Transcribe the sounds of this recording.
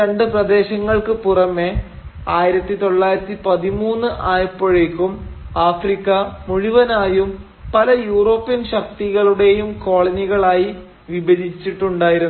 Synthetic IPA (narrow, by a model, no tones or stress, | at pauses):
ɾeɳɖɨprɐd̪e̞ːɕɐŋːɐɭkɨpurɐmːe | aːjiɾɐt̪ːit̪o̞ɭːaːjiɾɐt̪ːipɐðimuːnːɨʔaːjɐpːoɻekːumaːfrikːɐmuɻiʋɐnaːjum | pɐlɐjuːro̞ːpːijɐnɕɐk̚t̪iɣɐɭuɽe̞jumko̞ːɭɐniɣɐɭaːji | ʋibɐdit͡ɕːiʈːuɳɖaːjiɾunː